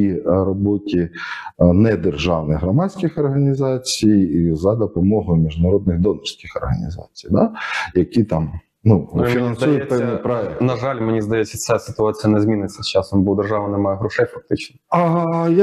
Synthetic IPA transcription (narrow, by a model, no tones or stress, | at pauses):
iɾɔbɔtʲi | nɛd̪erʒɑwnɪɣɦɾɔmɑt͡sʲkʲɪxɔrɦɐnʲizɑt͡sʲijizɐd̪ɔpɔmɔɦʊjmʲiʒnɐɾɔd̪̚nɪɣd̪ɔnɔrsʲkʲɪxɔrɦɐ̰nʲḭzɑ̰t͡sʲi̥jd̪ɑjɐkʲit̪ɑm | nufʲinɐnsujʊt̪̚ʲpɛwnɪjjpɾɔɛknɐʒɑlʲmenʲizd̪ɐjɛt͡sʲːɐt̪sɛsɪ̥t̪ʊɑt͡sʲijɐnɛzʲmʲinɪt͡sʲːɐst͡ʃɑsɔmbɔd̪erʒɑʋɐnɛmɑjɛɦɾɔʃɛjfɐk̚t̪ɪt͡ʃnɔɐja